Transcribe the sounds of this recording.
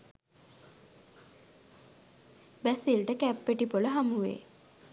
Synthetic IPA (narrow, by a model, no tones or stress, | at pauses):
bæsilʈəkæpːeʈipoləɦamuʋḛː